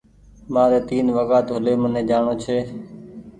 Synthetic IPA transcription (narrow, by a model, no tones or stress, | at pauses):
mãːɾeːt̪iːnʋəɠaːt̪ɦʊleːmənẽːd͡ʒaːɳoːt͡ʃʰeː